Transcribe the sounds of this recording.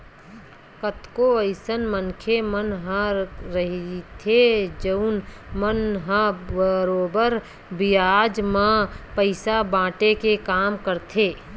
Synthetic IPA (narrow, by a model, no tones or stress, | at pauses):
kət̪koəɪsənmənkʰemənɦə̃ɾəɦit̪ʰed͡ʒəʊn | mənɦə̃bəɾoːbəɾ | bɪjaːd͡ʒmãpəɪsabãːʈekekaːmkəɾt̪ʰeː